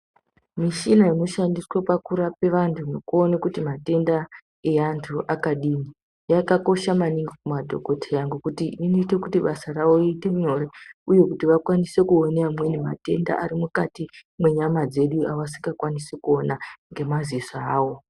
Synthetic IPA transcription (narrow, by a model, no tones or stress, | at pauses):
miʃinaino̞ʃandiswapakuɾape̞ʋantʰuno̞kuo̞nekutimate̞nda | e̞antʰuʔakaɗiːni | jakako̞ʃamaniŋɡikumadʱo̞̰ko̞tʰejaŋɡukutiʔininiitekutiɓasarawo̞iite̞ɲo̞ɾeuje̞kutiʋakwanise̞kuoneamwe̞nema̰te̞nda̰ʔaɾimukatimwe̞ɲamad͡ze̞ɗuaʋasiŋɡakwanisekuo̞naŋɡe̞mazisaaːwo̞